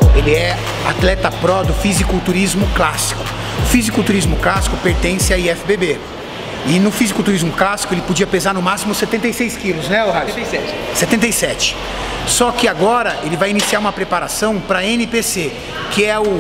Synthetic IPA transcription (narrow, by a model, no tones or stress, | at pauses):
elɪɛ | a̰t̪lɛt̪ɐpɾɔd̪ʊfizikʊt̪uɾizmʊklasi̥kʊ̥ | ʊfizikʊt̪uɾizmʊklasi̥kʊpeɾt̪ẽsɪaiɛfɪbebe | ɪnʊfizikʊt̪uɾizmʊklasi̥kʊelɪpod͡ʒiɐpezaɾnʊmasimʊɪset̪ẽnt̪ejsejskilʊznɛohaɛ | set̪ẽnt̪ejsɛt͡ʃɪ̥ | sɔkɪaɡɔɾɐʔelɪvajinisiaɾũmɐpɾepaɾasɐ̃w̃pɾɐẽnɪpese | kɪɛʊ